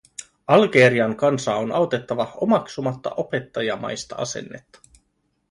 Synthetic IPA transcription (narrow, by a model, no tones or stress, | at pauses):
ɑlɡe̞ɾiɑŋkɑnsɑonɑwt̪e̞t̪ːɑʋɑo̞mɑksumɑt̪ːɑ̰ʔope̞t̪ːɑjɑmɑ̰jst̪ɑ̰ɑ̰se̞̰nːe̞̰t̪ːɑ̥